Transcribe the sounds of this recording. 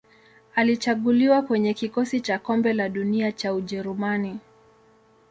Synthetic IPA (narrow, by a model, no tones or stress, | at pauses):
alit͡ʃaɠuliwakwɛɲɛkikɔsit͡ʃakɔmbɛlaɗuniat͡ʃauʄɛɾumani